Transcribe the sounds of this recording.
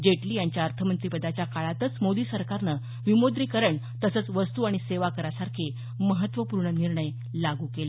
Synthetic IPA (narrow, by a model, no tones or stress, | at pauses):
d͡ʑeʈliːjaɲt͡ɕjaəɾt̪ʰəmənt̪ɾipəd̪at͡ɕjakaɭat̪ət͡smod̪iːsəɾkaɾnə | ʋimod̪ɾikəɾəɳt̪əsət͡sʋəst̪uːaɽ̃iseʋakəɾasaɾkʰe | məɦət̪ʋəpuɾɳəniɾɳəj | laɡuːkele